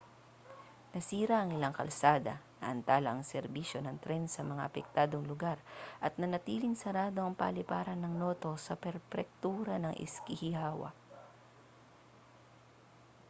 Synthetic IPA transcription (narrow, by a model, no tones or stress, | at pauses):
nɐsiːɾɐʔɐŋɪlaŋkɐ̰lsaːd̪ɐnɐʔɐnt̪aːlɐʔɐŋsɛɾbiʃjo̞nɐŋt̪ɾɛnsɐmɐŋa̰ʔɐpɛk̚t̪aːd̪oŋlʊɡaɾʔɐt̪̚nɐnɐt̪iːlɪŋsɐɾaːd̪o̞ɐŋpɐ̰lɪpaːɾɐnːɐŋno̞ːt̪o̞sɐpɛɾpɛk̚t̪uːɾɐnɐŋʔɪ̰skɪhɪhaːwɐ̰